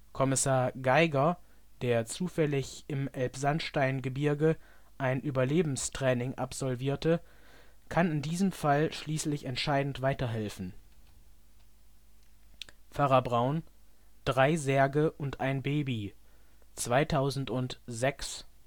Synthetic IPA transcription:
kʰɔmɪsaːɐɡaɪɡɐ | d̥eːɐt͡suːfɛlɪçʔɪmʔɛlpz̥anʃtaɪnɡəbɪɐɡə | ʔaɪnʔyːbɐleːbm̩stʁ̥ɛːnɪŋʔa̰pz̥ɔlviːɐtə | kʰanɪndiːzəmfalʃliːslɪçɛntʃaɪdn̩tv̥aɪtɐɦɛlfn̩ | faʁabʁaʊn | d̥ʁaɪzɛɐɡəʔʊntʔaɪnbeːbi | t͡sv̥aɪtʰaʊzn̩tʊntz̥ɛks

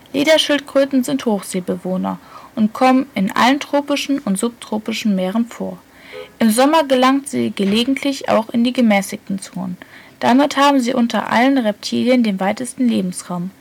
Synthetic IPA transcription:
leːdɐʃɪltkʁ̥øːtn̩zɪnthoːxz̥eːbəvoːnɐ̰ʔʊntkʰɔmənɪnʔa̰ləntʁ̥oːpɪʃn̩ʊntz̥ʊp̚tʰʁ̥oːpɪʃn̩meːʁ̞ənfoːɐ | ʔɪmzɔmɐɡəlaŋtz̥ḭːɡəleːɡŋ̩tʰlɪça̰ʊxɪndiːɡəmɛːsɪk̚tn̩t͡soːnə̰nd̥amɪthaːbm̩ziːʔʊntɐ̰ʔa̰lənʁɛp̚tʰḭːljəndeːnvaɪtəstn̩leːbm̩sʁaʊm

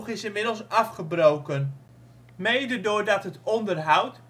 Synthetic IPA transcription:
χɪsɪnmɪdəl̩ˠsɑfχəbrowkən | mejdədʊːɹdɑtɦətɔndərɦʌwt

